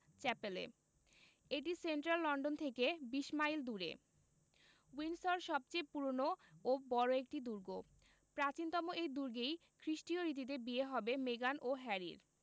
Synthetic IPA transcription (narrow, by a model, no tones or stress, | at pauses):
t͡ɕɛpelḛ | eʈ̬iseɳʈɾalːɔɳɖont̪ʰekebiʃmajld̪uɾḛ | winsoɾʃɔb̚t͡ɕejpuɾonoobɔɾoek̚ʈid̪uɾɡo | pɾat͡ɕint̪ɔmoejd̪uɾɡejkʰɾiʃʈioɾit̪̬it̪̬ebieɦɔbemeɡanʔoɦɛɾḭɾ